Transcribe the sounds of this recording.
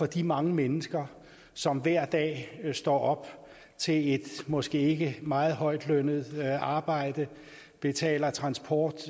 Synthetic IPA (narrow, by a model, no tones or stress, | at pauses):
fɒ̽d̥imɑ̈ŋəmenəsɡ̥ɐ | sɒ̽mʋæɐ̰d̥ɛ̰ːsd̥ɒ̰ːɒ̽b̥ | t͡sʰe̝e̝d̥mɒ̽sɡ̥e̝ːe̝ɡ̥əmɑ̈ːð̞̩ˠɦɒ̽ɪ̰d̥lønəð̩ˠɑ̈ːb̥ɑ̈ɪ̰d̥ə | b̥e̝t͡sʰɛ̰ːlɐt͡sʰʁɑ̈nsb̥ʰɒːd̥